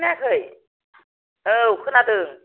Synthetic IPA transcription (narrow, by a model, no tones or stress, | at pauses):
nakəj | ʔəːxənaːt̪ɨəŋ